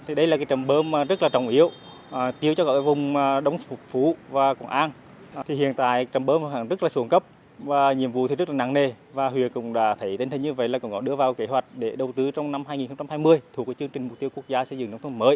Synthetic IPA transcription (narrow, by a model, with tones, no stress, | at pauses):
t̪ʰi˨˩ɗə˧jlaː˨˩kaː˨˦jt͡ɕə˨˩mɓəː˧m˨˩zə˦˥t̚laː˨˩t͡ɕə˨˩wŋ͡mʔi˧˦əw | t̪i˧əwt͡ɕɔ˧kɔ̰˧˩kːaː˨˦vʊ˨˩ŋ͡mɗə˨˦wŋ͡mfʊ˨˩t̚fu˧˦vaː˨˩kɔ˨˧˩nʔaː˧n | t̪ʰi˨˩hḭ˧˨ənt̪a̰ː˧˨jt͡ɕə˨˩mɓəː˧m˧ha˧˩ŋzə˦˥t̚laː˨˩su˨˩˦ŋkə˦˥p̚ | vaː˨˩ɲi˧˨əmvṵ˧˨t̪ʰi˨˩zə˦˥laː˨˩a̰ː˧˨ŋne˨˩ | vaː˨˩hwḭ˨˩ənkʊ̰˧˥ŋ͡mɗa̰ː˧˦˥t̪ʰə˨˦jt̪i˧ŋ̟t̪ï˨˩ɲɨ˧və̰˧˨jlaː˨˩kʊ˧wŋ͡mkɔ˧˦ɗɨ˧əvaː˨˩wke˧˦ɦwa˨˩jk̟̚ɗe˧˩ɗə˨˩wt̪ɨ˨˦t͡ɕɔ˧wŋ͡mna˧mhɦaː˧jŋi˨˩nxə˧ŋ͡mt͡ɕa˧mhaː˧jmɨ˧əjt̪ʰu˨˩kːaː˨˧˦t͡ɕɨ˧əŋt͡ɕï˨˩ŋ̟m̚˨˩t̪i˧əwku˦˥ək̚zaː˧sə˧jzɨ̰˧˨ŋna˧˦wŋ͡mt̪ʰməː˨˦j